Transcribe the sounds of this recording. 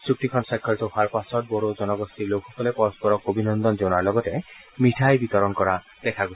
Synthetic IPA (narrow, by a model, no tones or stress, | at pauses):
suk̚ʈikʰɔnsajkʰːɔɾit̪oɦaɾpasɔʈ̚bɔɾod͡ʒɔnɔɡɔst̪ilokʰɔkʰɔlepɔɾɔspɔɾɔkobinɔnd̪ɔnd͡ʒownaɾlɔɡɔte | miʈʰajbit̪ɔɾɔnkɔɾa | d̪̥ekʰaɡo